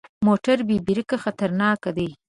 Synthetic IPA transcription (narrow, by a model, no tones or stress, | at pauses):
moʈaɾbebiɾəkaxat̪aɾnɑːkad̪ej